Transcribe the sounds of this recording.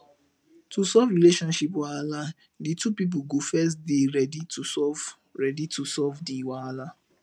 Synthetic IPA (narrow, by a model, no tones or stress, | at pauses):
tusɔvɹileʃɔ̃nʃipwaala | ditupip̬uɡofɛs̬tdeɹɛditusɔv | ɹɛditusɔvdiwaala